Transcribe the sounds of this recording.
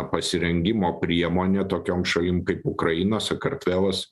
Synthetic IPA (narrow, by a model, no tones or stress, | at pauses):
pɐsʲɪɾʲɛŋʲɡʲɪmoːpʲɾʲiɛmoːnʲeːt̪oːkʲoːmʃɐlʲɪmkɐɪpʊkɾɐɪnoːsɐkɐɾt̪ʲʋʲæːlˠɐs